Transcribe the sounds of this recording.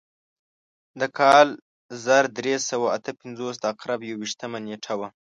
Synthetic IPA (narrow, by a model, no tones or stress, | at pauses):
d̪əkʰɑl | zaɾd̪ɾesawaat̪əpɪnzos̬d̪əaqɾabjawiʃt̪əmaneʈʰawa